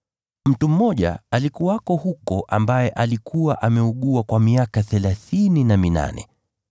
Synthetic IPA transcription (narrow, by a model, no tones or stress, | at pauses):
m̩tum̩mɔʄa̰alikuwakɔhukɔʔambajɛʔalikʰuwaʔamɛuɠuakwamiakaθɛlaθininamina̰nɛ̰